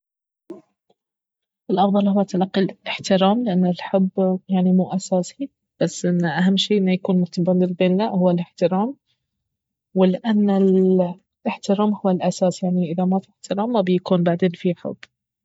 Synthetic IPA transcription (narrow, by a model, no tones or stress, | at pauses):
ʔɪlʔɑfðˤɑlhʊwːat̪alaqːilɪħt̪ɪɾaːmlɪʔanːalħʊbːjaʕnimuːʔasaːsi | b̥asːʔɪnːʔaɦamːʃiːʔɪnːajakuːnmʊt̪ɑbɑnd̪ɪlbeːnːaʔhʊwːalɪħt̪ɪɾaːm | wɪlɪʔanːɪl | ɪħt̪ɪɾɑːmhʊwːalʔasaːsjaʕniʔɪðamafiɪħt̪ɪɾaːmːabɪjakuːnbaʕd̪eːnfiħʊ̰bː